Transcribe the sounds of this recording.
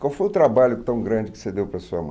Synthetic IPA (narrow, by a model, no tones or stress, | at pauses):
kawfojʊt̪ɾabaʎʊt̪ɐ̃w̃ɡɾɐ̃d͡ʒɪkɪ̥sed̪ewpɾɐsuɐ̰mɐ̰̃